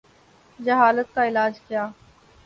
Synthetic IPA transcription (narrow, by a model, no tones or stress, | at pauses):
d͡ʒəɦaːlət̪̚kaɪlaːd͡ʒkɪjaː